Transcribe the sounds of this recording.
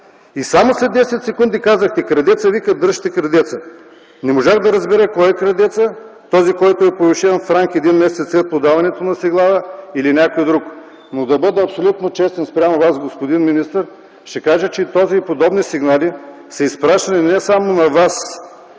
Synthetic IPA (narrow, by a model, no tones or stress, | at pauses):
isamoslɛd̪ɛsɛt̪sɛkund̪ikazəxt̪ɛkɾɐd̪ɛt̪səvikɐd̪ɾɤʃt̪ɛkɾɐd̪ɛt̪sə | nɛmoʒaxd̪ɐɾɐzbɛɾəkɔjɛkɾɐd̪ɛt̪sət̪ɔzikɔjt̪oɛpoviʃɛnfɾaŋkɛd̪inmɛsɛt̪slɛt̪̚pod̪avɐnɛt̪onɐsiɡlˠadəilinʲakojd̪ɾuk | nod̪ɐbɤd̪ɛɐpsolʲut̪not͡ʃɛst̪ɛnspɾʲamɐvazɡospod̪inminist̪əɾ | ʃt̪ɛkaʒət͡ʃɛt̪ɔziːpod̪ɔbnisiɡnali | sɐispɾaʃɐninɛsamonɐvas